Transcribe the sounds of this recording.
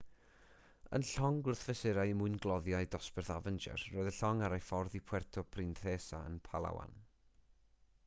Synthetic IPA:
ə̰nɬɔŋɡʊrθv̥ɛsɪɾajmʊɨnɡlˠɔðjaɨdɔspɛrθavənd͡ʒɛ̰rːoːɨðəɬɔŋaɾajfɔrðipʰw̥ɛrtʰɔpʰrɪnθeːsaə̰npʰalˠa̰wa̰n

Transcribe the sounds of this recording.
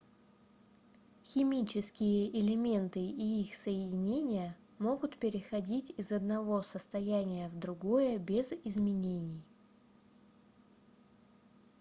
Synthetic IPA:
xʲɪmʲit͡ɕɪskʲɪjəʔɪlʲɪmʲe̞nt̪ɨiixsəjɪdʲɪnʲenʲɪjə | mo̞ɡʊt̪pʲɪɾʲɪxɐdʲitʲɪzɐd̪̚nɐvo̞səst̪ɐjænʲɪjəvd̪ɾʊɡo̞jəbʲɪzɪzmʲɪnʲenʲɪj

